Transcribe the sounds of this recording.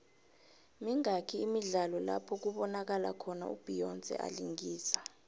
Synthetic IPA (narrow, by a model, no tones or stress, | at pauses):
miŋakʰiːmiɮalɔla̰pʰɔk̬uɓɔnak̬ala̰kʰɔna̰ṵb̥ʱijɔnt͡sʼɛ̰ʔa̰liŋɡiːsḁ